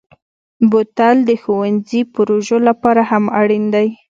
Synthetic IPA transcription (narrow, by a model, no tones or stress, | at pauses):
bot̪ald̪əxowanzipʊɾoʒolapɑɾahamaɽind̪aj